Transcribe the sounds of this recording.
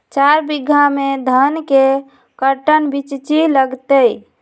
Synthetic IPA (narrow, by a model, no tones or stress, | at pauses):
t͡ʃaɾbiɡʱamed̪ʱənke | kəɾʈənbit͡ʃt͡ʃiləɡt̪əj